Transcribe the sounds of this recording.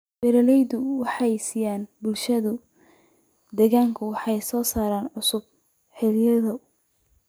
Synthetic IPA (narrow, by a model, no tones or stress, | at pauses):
bɛɾɐlɛjd̪ʊwɑħɑjsiːjaːnbʊlʃɐðʊ | d̪ɛɣaːŋkʰʊwɑħɑjsɔːsaːɾaːnʕʊsʊb̚ | ħɪlɪjɐðɐ